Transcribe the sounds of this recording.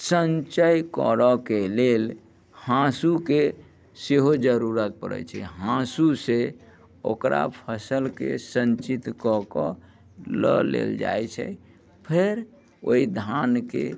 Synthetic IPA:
sənt͡ʃəjkɔɾɔkelel | hãsuke | seɦod͡ʒəɾuɾət̪̚pəɾɛ̰t͡ʃʰɛ̰ɦãsuse | o̰kɾa̰pʰəsəlkḛsənt͡ʃit̪kɔkɔ | lə̰lḛld͡ʒa̰jt͡ʃʰɛ | pʰeɾ | oid̪ʱanke

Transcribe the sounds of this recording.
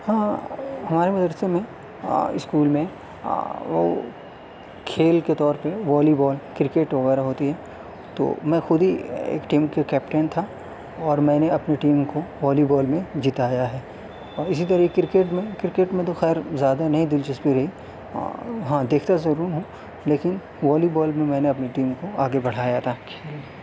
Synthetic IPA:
hãːɦɐmaːɾemɐd̪əɾsemẽ | ɪ̰skuːlmẽ | ʋo̰ː | kʰeːlket̪ɔːɾpeʋɔːlibɔːlkɾɪkeːʈʋɐɣɛːɾaɦoːt̪iɦɛː | t̪o̰ːmɛ̃ːxʊd̪iḛːkʈiːmkekɛːpʈeːnt̪ʰa | ɔːɾmɛ̃ːneɐpneʈiːmkoʋɔːlibɔːlmẽd͡ʒit̪aːjaɦɛː | ɔːɾɪs̬it̪̬ɐɾikɾɪkeːʈmẽkɾɪkeːʈmẽt̪̬oxɛːɾzjaːd̪anɐɦĩd̪ɪlt͡ʃɐsbiɾɐɦḭ | ɦãːd̪eːkʰt̪azɐɾuːɾɦũ | leːkɪn | ʋɔːlibɔːlmẽmɛ̃ːneɐpniʈiːmkoaːɡebɐɽ̤aːjat̪ʰaː

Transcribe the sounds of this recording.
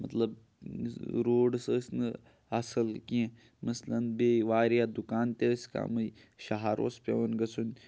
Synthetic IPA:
mɐt̪ləb | ɾoːɖsəːsʲnɨ | asəlkiẽ | mɐslɐnbeːʋaːɾjad̪ukaːnt̪eːsʲka̰ːməj | ʃɐɦaːɾo̰ːspʲḛʋɐnɡɐsʰunʲ

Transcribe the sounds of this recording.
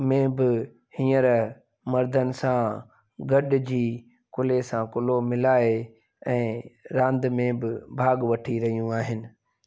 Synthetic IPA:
mẽbɪ | hĩːəɾ | mɐɾd̪ʱənɪ̆sã | ɡɐɗd͡ʑiː | kʊlesãkʊlomɪlaːe | ɛ̃ːɾãːnd̪mẽbɪbʱaːɠʋɐʈʰiɾɐɦijũaːɦɪnɪ̆

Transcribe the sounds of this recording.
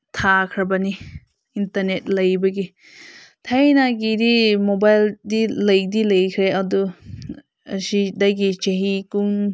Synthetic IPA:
t̪ʰaːkʰɾabanĩ | int̪anẽt̪̚ləjbaɡi | t̪ʰə̃nãɡid̪imõbajld̪ilejk̚d̪iləkʰɾeʔad̪u | aʃid̪ajɡit͡ʃeɦikũn

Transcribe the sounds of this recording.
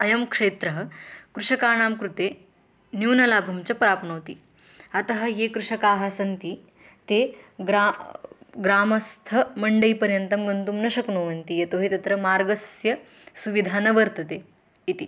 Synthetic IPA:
ɐjɐmkʂeːt̪ɾɐɦɐkɾuʂɐkaːɳ̃aːmkɾut̪e | njuwnɐlaːbʱɐmt͡sɐpɾaːpɳot̪ḭː | ɐt̪ɐɦɐɦekɾuʂɐkaːɦɐsɐnt̪i | t̪eɡɾa | ɡɾaːmɐst̪ʰɐmɐɳɖəiːpɐɾjɐnt̪ɐmɡɐnt̪umnɐɕɐknoːʋɐnt̪ijet̪oːɦit̪ɐt̪ɾɐmaːɾɡɐsjɐ | suʋid̪ʱaːnɐʋɐɾt̪ɐt̪e | it̪i

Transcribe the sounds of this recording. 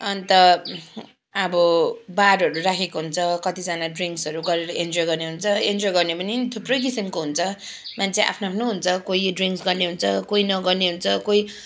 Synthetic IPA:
ʌnt̪ʌ | ʌbʌbaɾɦʌɾuɾakʰekoɦunt͡sʰʌkʌt̪id͡zanaɖriŋksʌɾuɡʌɾeɾʌʔend͡zojɡʌrneɦunt͡sʰʌend͡zojɡʌrnepʌnit̪ʰuprʌjk̬isimkoɦunt͡sʰʌ | mant͡sʰeʔa̰pʰnoapʰnoɦunt͡sʰʌkoiɖriŋksɡʌrneɦunt͡sʰʌkoinʌɡʌrneɦunt͡sʰʌkoi

